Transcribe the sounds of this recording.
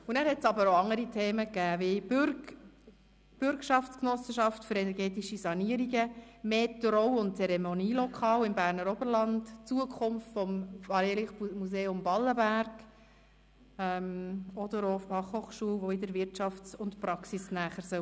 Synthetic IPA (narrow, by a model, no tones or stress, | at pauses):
ʊnæːɾhɛtt͡sɑbəɾoɑŋəɾitʰeːməkæːʋɪb | b̥ʏɾkʃɑftt͡sknɔsəʃɑftfʏɾɛnɛɾɡɛːtiʃisɑniəɾiɡəmeːtɾɔwʊntt͡sɛɾɛmoniːlɔkʰɑːwɪmbæːɾnəɾɔbəɾlɑntt͡suəkʰʊmftfɔmfɑleliχmuseːʊmbɑlːəbæɾɡ̥ | ɛmɔd̥̪əɾofɑχhoːχʃuəlʋoɪdəɾvɪɾtɑft͡sʊntpɾɑksisnæːχəɾsœ